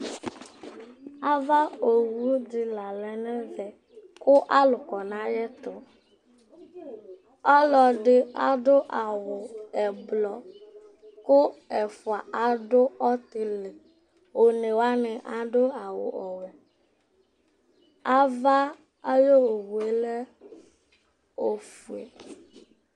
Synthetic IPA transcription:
a˦va˦o˨wu˦d̪i˨la˨lɛ˨nɛ˦vɛ˨ | kʊ˦ʔa˦lʊ˨kɔ˨nã˦jɛ˦t̪ʊ˨ | ɔ˦lɔ˨ɖɪ˦a̰˨ɖo˦ʔa˨wʊ˨ɛ˨blɔ˨ | kʊ˦ɛ˨fʊ˨a˨ʔa˨ɖo˦ɔ˦t̪e˨le˨ | wo˨nẽ˨wa˦nɛ̃˨ʔa˨ɖo˦a˨wo̰˨ʔɔ˨we˨ | a˦va˦ | a˦jo˦o˨wu˨e˨le˦ | o˨fu˨ḛ˨

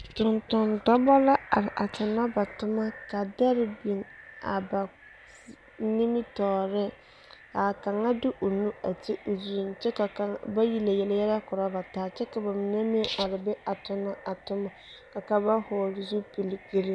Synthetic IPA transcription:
tʊ˨ntʊ˨ndɔ˦bɔ˦la˦a˨ɾɪ˨ʔa˨tʰʊ˨na˦ba˨tʊ˦ma˦ka˨da˦ɾɪ˨bi˨ŋa̰˨ba˨ | ni˦mi˦tɔː˨ɾɪ˦ | ka˨ka˨ŋa˦dɪ˦ʔo˨nũ˦a˨tɪ˦ʔo˨zi˨i˨n˨t͡ʃɛ˦ka˨ka˦ŋba˦ji˨la˨jɛ˨lɪ˨jɛ˦ɾɛ˦kʊ˨ɾa˦ba˨taː˨t͡ʃɛ˦ka˨ba˨mɪ˨nɛ˦mɪ˦ʔɔ˨ɾɪ˨bɛ˦a˨tʊ˦na˦a˨tʊ˦ma˨ | ka˨ka˦ba˦hɔː˨ɾɪ˨zu˦pi˨lɪ˨ɡe˦ɾi˦

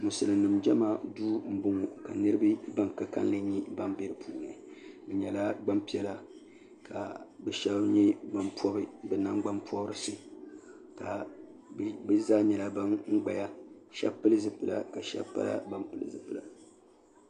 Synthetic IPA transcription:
mu˨sɨ˨lɨ˨nɨ˨md͡ʒɛ˦maː˦duː˦m̩˦bʊ˦ŋu˨ka̰˨nɨ˦ɾɨ˦bɨ˦ba˦ŋka˦ka̰˦n˦lɨ˦ɲi˦ba˦mbe˦ɾɨ˨pʰuː˨na˨bɨ˨ɲɛ˨la˦ɡ͡ba˦mpi˦ɛ˦la˦ | ka̰˨bɛ˨ʃɛ˦bɲɛ˦ɡ͡ba˦mpɔ˦bɨ˦bɛ˨na˦ŋɡ͡ba˦mpɔ˦ɾɨ˦sɨ˦ | ka˨ | bɨ˦zaː˦ɲɛ˨la˦ba˦ŋŋ̩˦ɡ͡ba˨ja˦ʃɛ̰˦bpːɨ˦lɨ˦zɨ˦pɨ˨la̰˨ka˨ʃɛ̰˦bpa̰˦la̰˦ba˦mpɨ˦˨lɨ̰˨zɨ˨pɨ˨la˨

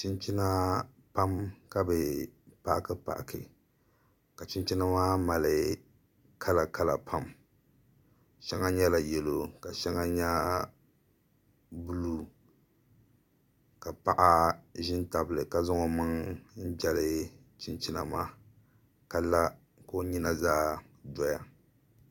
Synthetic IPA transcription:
t͡ʃi˦nt͡ʃi˦na˦ | pa˦mka˦bɛ˨pa˦ʔkɨ˦pa̰˨ʔkɨ̰˨ | ka˨t͡ʃi˦nt͡ʃi˦na˦ma˦ma˨lɨ˨ | kʰa˦la˨ka˦la̰˨pʰa˦m | ʃɛ˦ŋa˦ɲɛ˦la˨jɛ˨lo˦ka˨ʃɛ˦ŋa˦ɲa˦ | bu˦lu˦ | ka˨pa˦ʔa˦ʒɪ˦nta˨bɨ˨lɨ˨ka˦zʊ˦ŋo˨mɨ˦ŋn̩˦d͡ʒɛ˦lɨ˦ | t͡ʃɪ˦nt͡ʃi˦na̰˨ma˦ | ka˦la˦ | ko˦ɲi˦na˨zaː˦dɔ˦ja˨

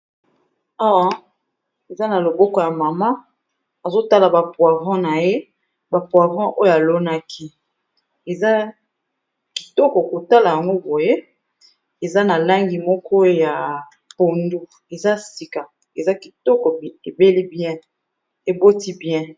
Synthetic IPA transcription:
a˦˨ | e˨za˦na˨lo˨bɔ˦kɔ˨˦ja˨ma˨ma˦ | a˨zo˦ta˦la˨ba˨pwa˨vɔ̃˦na˨je˦ | ba˨pwa˨vɑ̃˦ʔo˦jo˦˨a˨lo˦na˦kʰi˦ | e˨za˦ | ki̥˨tɔ˦kɔ˨ko˨ta˦la˨ja˨ŋɡo˦bo˨je˦ | e˨za˦na˨la˦ŋɡi˨mɔ˦kɔ˦ja˨ | po˨ndu˦ | e˨za˦si˨ka˨ | e˨za˦ki˨tɔ˦kɔ˨e˨be˦li˦bjɛ̃˦ | e˨bo˦ti˦bjɛ̃˦

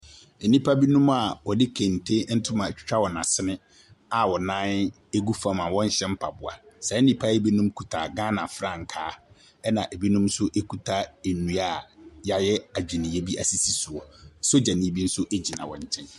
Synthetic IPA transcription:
e˨nĩ˦pʰa˦bi˦nũ˦ma˨wɔ˨dɪ˦kʰẽ˨n̩˨tʰe˦n̩˦tʰʊ̃˦mã˨t͡ɕᶣɪ̥˦t͡ɕᶣʰa˦wɔ˨nã˨sɪ˦nɪ̃˦ | a˨wɔ˨nãː˦n | e˦ɡu˦fã˦mã˨wɔ̃˦ɲ˦ɕɛ̃˦m̩˦pʰa˨bʊ˨a˨sɛ˨˦nĩ˦pʰa˦jɛ˦bi˦nũ˦mkʰu˨tʰa˨ɡã˦nã˨fɾã˦˨ŋ̩˨kʰaː˦ | ɛ˦nã˨ʔe˨bi˦nũ˦msʊ˦ʔe˦kʰu˨tʰa˦e˨nũ˨a˦˨ja˨jɛ˦a˨d͡ʑᶣi˨nĩ˨je˦bi˦ʔa̰˨si˦si˦su˨ɔ˨˦so˦d͡ʑa˨nĩ˨˦bi˦n̩˦sʊ˦ʔe˦d͡ʑi˨nã̰˨wɔ̰̃˨ɲ˨t͡ɕʰɛ̃˦n

